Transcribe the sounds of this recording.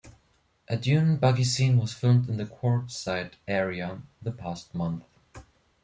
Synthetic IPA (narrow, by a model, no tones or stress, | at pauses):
ʔɨdjʉ̃nbʌɡisĩnwʌz̥fɪlˠmdɨ̃n̩ðɨkʰw̥ɔɹtsaɪɾɛɹiɨðəpʰæst̚mʌ̃nθ